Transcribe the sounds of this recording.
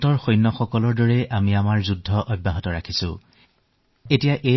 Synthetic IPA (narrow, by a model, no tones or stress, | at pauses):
tɔɹxojnːɔxɔkɔlɔɹdɔɹɛʔamiamaɹzudʱːɔʔɔbːaɦɔtɔɹakʰisʊ̰̃ | etijaʔe